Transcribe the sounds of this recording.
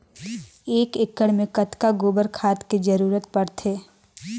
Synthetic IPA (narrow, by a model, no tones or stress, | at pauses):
eːkɪkːəɽmẽkɐt̪kaɡoːbəɾkʰaːt̪kid͡ʒəɾuːɾət̪pɐɽt̪ʰeː